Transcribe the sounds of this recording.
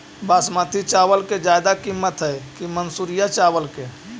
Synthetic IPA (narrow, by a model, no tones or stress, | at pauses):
basmət̪ʰit͡ʃawəlked͡ʒajd̪akimːət̪ɦəekimənsuɾijat͡ʃaʋəlke